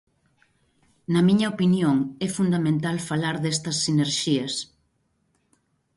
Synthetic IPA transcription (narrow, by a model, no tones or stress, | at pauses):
nɐmiɲɐopinjoŋɛfund̪amẽnt̪alfalaɾðɛst̪ɐsːineɾʃiɐs